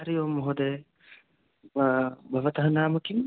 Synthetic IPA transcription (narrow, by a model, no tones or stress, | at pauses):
ɾijoːmɔɦod̪e | bʱɐʋɐt̪ɐɦɐnaːmɐkim